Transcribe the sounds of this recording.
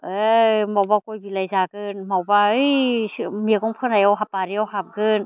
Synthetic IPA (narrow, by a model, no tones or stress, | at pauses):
ɯjmawbakɔjbilajzaɡɯnmawbaɯjmiɡɔŋpʰɯnajawɦap̚aɾiawɦap̚ɡɯn